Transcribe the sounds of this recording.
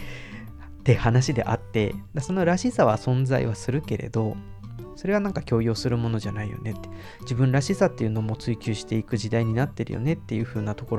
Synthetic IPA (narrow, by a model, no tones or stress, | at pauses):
t̪ːe̞hanaɕid̪e̞̰ʔat̪ːe̞d̪aso̞no̞ɾaɕisaβ̞asõ̞nd͡za̰ḭβasɨɾɯ̟ke̞ɾe̞̰d̪o̞ | so̞ɾe̞β̞anãŋkakʲo̞ːjo̞ːsɨɾɯ̟mo̞no̞ʑanaijo̞̰ne̞t̪ːe̥ | d͡ʑibɯ̟̃nɾaɕisat̪ːe̞jɯ̟no̞mot͡sɨikʲɨːɕi̥t̪e̞ikɯ̟ʑid̪aiɲ̟inat̪ːe̞ɾɯ̟jo̰ne̞t̪ːe̞jɯ̟ːɸɯ̟ːnat̪o̞koɾo